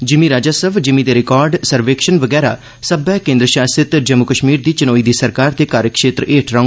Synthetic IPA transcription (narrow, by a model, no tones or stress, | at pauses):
d͡ʒɪmĩɾaːd͡ʒaːsəʋd͡ʒɪmĩːd̪eːɾɪkɔːɾɖsəɾʋekʃənʋəɡɛːɾa̰ː | səbɛːkẽːnd̪ɾəʃaːsɪt̪d͡ʒəmːʊkəʃmiːɾd̪iːt͡ʃɪnoːiːd̪iːsəɾkaːɾt̪eːkaːɾjəkʃeːt̪ɾəʔeːʈʰɾaːŋ